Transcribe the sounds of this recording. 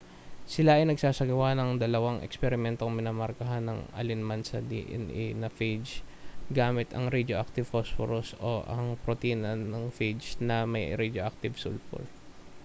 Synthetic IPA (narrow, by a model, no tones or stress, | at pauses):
sɪlaʔɐjnɐɡsaːsɐɡɐwanɐŋd̪ɐlɐwaŋʔɛ̰kspɛɾɪmɛnt̪o̞ŋmɪnaːmɐɾkɐɦanːɐŋɐ̰lɪnmansɐ̰d̪ḭʔɛ̰nʔɛnɐfed͡ʒɡaːmɪt̪ɐ̰ŋɾɛd̪oʔak̚t̪ɪv̥fosfoɾoso̰ʔɐŋpɾot̪iːnɐnɐŋfejd͡ʒnɐmɐjɾɛd̪oʔak̚t̪ɪbsṵlfo̰l